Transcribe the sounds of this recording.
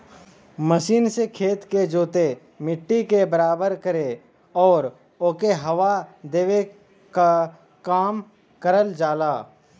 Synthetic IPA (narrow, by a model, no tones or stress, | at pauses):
məʃiːnsekʰeːt̪ked͡ʒoːt̪e | mɪʈːikebəɾaːbəɾkəɾe | ɔːɾ | oːkeɦɐʋad̪eːʋe | ka | kaːm | kəɾəld͡ʒaːlaː